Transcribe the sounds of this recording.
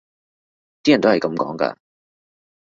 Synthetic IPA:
t̪i˥jɐ˨nt̪o˥hjkɐ˨˧mkɔ̰ː˨˥ŋkɐ̰˧

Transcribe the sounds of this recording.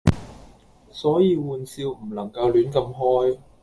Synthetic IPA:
sɔː˨˥jiː˧wuː˨˧nsiː˧wm̩˨˩nɐ˨˩ŋkɐ˧wlyː˨˥nkɐ˧mɦɔː˥j

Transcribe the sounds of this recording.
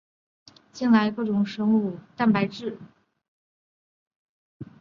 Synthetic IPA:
t͡ɕi˥˩nla˧˥ɪkɤ˥˩ʈ͡ʂʊ˨˩ŋʂɤ˥ŋu˥˩t̪a˥˩npa˧˥ɪʈ͡ʂɻ̩˥˩

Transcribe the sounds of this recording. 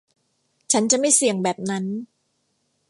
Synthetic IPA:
t͡ɕʰa˦˥nt͡ɕa˨˩ma˥˩jsi˨˩əŋbɛː˨˩p̚na˦˥n

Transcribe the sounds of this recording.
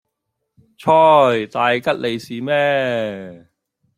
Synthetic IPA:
t͡ʃʰɔː˥˩jt̪aː˨˧jkɐ˥t̚lʔe˨˧jsiː˨˧mɛː˥

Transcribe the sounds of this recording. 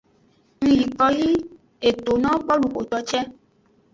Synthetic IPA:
mĩ˧ɾi˨kɔ˧ji˦ | e˨to˨nã˦k͡pɔ˦lu˨ko˨tɔ˧˦t͡ʃɛ˦

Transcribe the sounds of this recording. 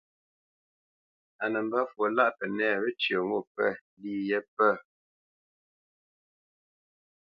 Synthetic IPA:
a˨nə˨m̩˦bə˦fwo˨la˦ʔpɛ˨nɛ˦˨ɣə˦t͡ʃə˨ŋo˦˨pɛ̰˦ | liː˦˨jɛ˦pə˦˨

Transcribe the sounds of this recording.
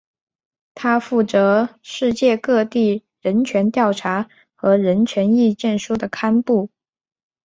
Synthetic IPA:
t̪ʰa˥fu˥˩t͡sɤ˧˥ʂɻ̩˥˧t͡ɕjɛ˥˧kɤ˥˧t̪i˥˩ | ɻə˧˥nt͡ɕʰɥɛ˧˥nt̪jɑ˥˩ʊʈ͡ʂʰa˧˥ | xɤ˧˥ɻə˧˥nt͡ɕʰɥɛ˧˥ni˥˧t͡ɕjɛ˥˩nʂu˥d̪ə˨kʰa˥npu˥˩

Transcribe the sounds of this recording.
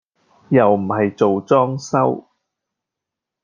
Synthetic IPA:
jɐ˨˩wm̩˨˩ɦɐ˨jt͡so˨wt͡sɔː˥ŋsɐ˥w

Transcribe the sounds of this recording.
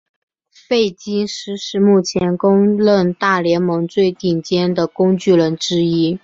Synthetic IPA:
fe˥˩ɪt͡ɕi˥ŋʂɻ̩˧˥ʂɻ̩˧˥mu˥˩t͡ɕʰjɛ˧˥nkʊ˥ŋlə˥˧nt̪a˥˩ljɛ˧˥nmɤ˧˥ŋt͡swe˥˧ɪt̪i˥˩ŋt͡ɕjɛ˥nd̪ə˨kʊ˥ŋt͡ɕy˥˩ɻə˧˥nʈ͡ʂɻ̩˥i˥

